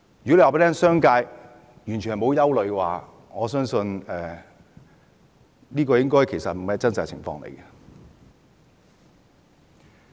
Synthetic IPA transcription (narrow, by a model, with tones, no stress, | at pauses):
jy˨ke˨˧waː˨pe˦˥tʰɛ˥ŋsœː˥ŋkaː˧j | jyː˨˩nʰ˨˩hjmo˨˧wjɐ˥wlɵ˨˧ɥkwaː˨˩ | ŋɔː˨˧sœː˥ŋsɵ˧nɛː˨ | liː˥kɔː˧jɪ˥ŋkɔː˥jkʰe˨˩jsɐ˨t̚m̩˨˩mɐ˨˦t͡sɐ˥nt͡sa˨˧t͡sʰɪ˨˩ŋfɔ̰ː˧ŋlḛ˨˩jkɐ˧